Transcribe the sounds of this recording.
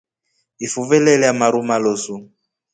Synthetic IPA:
ifuvɛlɛlɛamaɾumalosu

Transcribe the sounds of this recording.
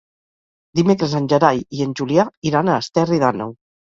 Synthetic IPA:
d̪imekɾəzənʲʒəɾajiənʲʒuliaiɾanəːst̪ɛriðanə̰w

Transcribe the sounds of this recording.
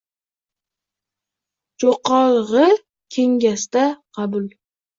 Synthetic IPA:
d͡ʒoqʰɒlˠʁɨ | kʲʰe̞ŋɡʲast̪aqʰɑbʊl

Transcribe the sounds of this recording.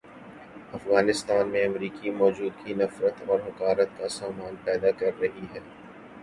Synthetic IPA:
ɐfɣaːnɪst̪aːnmẽɐmɾiːkimɔːd͡ʒuːd̪kinɐfɾət̪ɔːɾɦɐkaːɾət̪̚kasaːmaːnpɛːd̪akɐɾːɐɦiɦɛː

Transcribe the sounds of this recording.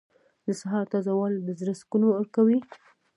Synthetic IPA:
d̪əsaɦɑɾt̪ɑzɑwɑld̪əzɾaskunoaɾkawi

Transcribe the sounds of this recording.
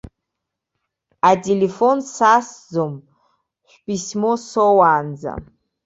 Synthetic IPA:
atʰelefonsaːszom | ɕʷpismosowaːnd͡za̰

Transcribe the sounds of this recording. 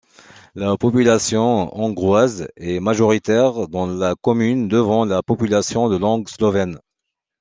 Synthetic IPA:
lapɔpylasjɔ̃ɔ̃ɡʁwazɛmaʒɔʁit̪ɛʁd̪ɑ̃lakɔmynd̪əvɑ̃lapɔpylasjɔ̃d̪əlɑ̃ɡslɔvɛn

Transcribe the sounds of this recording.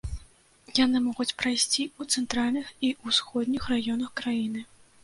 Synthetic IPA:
janɨmɔɣut͡sʲpɾajsʲt͡sʲiut̪sɛnt̪ɾalʲnɨxiusxɔd̪ʲnʲixrajɔnɐxkɾajinɨ

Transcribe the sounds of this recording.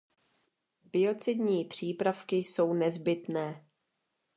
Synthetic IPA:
bɪo̞t͡sɪd̪ɲiːpr̝̥iːpɾafkɪjso̞wnɛzbɪt̪nɛː

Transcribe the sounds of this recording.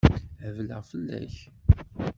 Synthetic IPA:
əvləʁfəlːæ̰ç

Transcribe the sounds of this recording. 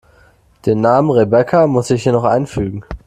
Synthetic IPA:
d̥eːnːaːmənʁebɛkʰamʊsɪçhiːɐnɔχʔa̰ɪnfyːɡŋ̩

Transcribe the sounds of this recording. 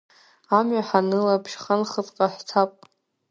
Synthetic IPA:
amɥaħanɨlapʰʃχanχət͡sʼqʼaħtʰapʼ

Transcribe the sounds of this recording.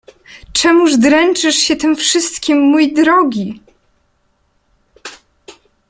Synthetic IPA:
t͡ʂɛmuʐd̪ɾɛnt͡ʂɘʂɕɛt̪ɘmfʂɘst̪kʲimːujd̪ɾɔɡʲi

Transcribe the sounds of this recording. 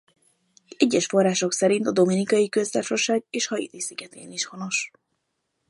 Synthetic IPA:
ɛɟːɛʃfo̞rːaːʃo̞ksɛɾint̪ɒd̪o̞minikɒjikø̞zt̪ɛfʃo̞ʃaːɡeːʃhɒjḭt̪isiɡɛt̪ḛːniʃho̞no̞ʃ

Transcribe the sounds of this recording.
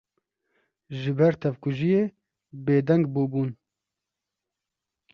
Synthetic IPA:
ʒɨbɛɾt̪ʰɛvkuʒijeː | beːd̪ɛŋɡbuːbuːn

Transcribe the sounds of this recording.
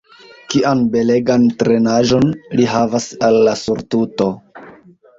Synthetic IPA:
kiʔanbe̞le̞ɡantɾe̞naʒo̞nliɦavasalːasuɾtuto̞

